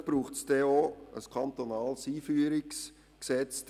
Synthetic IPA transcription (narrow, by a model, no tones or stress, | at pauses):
b̥ɾuːχtsd̥ɛoə̰skʰɑnt̪onɑːlsiːfyːɾɪks | ksɛt͡sd